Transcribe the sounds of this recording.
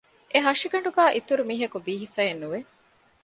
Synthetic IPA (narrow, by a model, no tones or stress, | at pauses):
ʔeɦɐʂiɡɐɳɖuɡæːʔit̪uɾumiːɦɐkubiːɦifæenːuʋe